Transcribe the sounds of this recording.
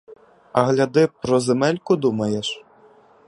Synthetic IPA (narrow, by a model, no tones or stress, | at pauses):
ɐɦlʲɐd̪ɪpɾɔzemɛlʲkʊd̪umɐjeʃ